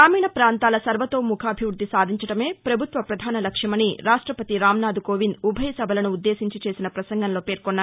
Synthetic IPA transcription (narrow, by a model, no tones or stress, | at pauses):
aːmiːnɐpɾaːnt̪aːlɐsɐɾʋɐt̪o̞ːmukʰaːbʱiʋɾud̪ːisaːd̪ʱiɲt͡ʃɐʈɐme̞ːpɾɐbʱut̪ʋɐpɾɐd̪ʱaːnɐlɐkʂjɐmɐniɾaːʂʈɾɐpɐt̪iɾaːmnaːd̪ukoːʋinubʱɐjɐsɐbʱɐlɐnuːd̪ːe̞ːsiɲt͡ʃit͡ʃe̞ːsinɐpɾɐsɐŋɡɐnlo̞ːpeːɾkonːa